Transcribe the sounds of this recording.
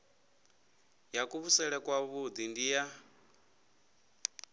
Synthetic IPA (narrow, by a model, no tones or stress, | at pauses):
jakʼuβusɛɺɛkʼwaβud̪indija